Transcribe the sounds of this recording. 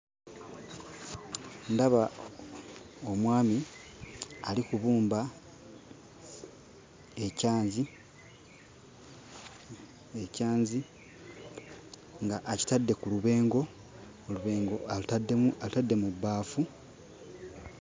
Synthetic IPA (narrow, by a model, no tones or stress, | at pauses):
ndaβa | omwaːmi | alikuβuːmba | ecaːnzi | ecaːɲzi | ŋɡaʔːci̥tadːe̞kuluβe̞ːŋɡo̞ | oluβeːŋɡo̞aalutadːe̞mubːaːfu